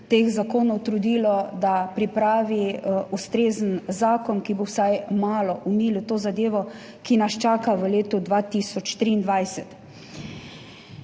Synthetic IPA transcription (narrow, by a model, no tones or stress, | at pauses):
t̪eːxzakoːnɔwt̪ɾud̪iːlɔd̪apɾipɾaːʋiust̪ɾeːzənzaːkɔnkibowsajmaːlɔʔumilut̪oːzad̪eːʋɔ | kinast͡ʃaːkaʋəleːt̪ɔd̪ʋat̪iːsɔt͡ʃt̪ɾiːnd̪ʋajsɛt̪